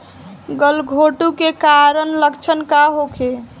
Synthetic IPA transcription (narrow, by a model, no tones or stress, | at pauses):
ɡəlɡʱoʈukekaɾənləkt͡ʃʰənkaɦokʰe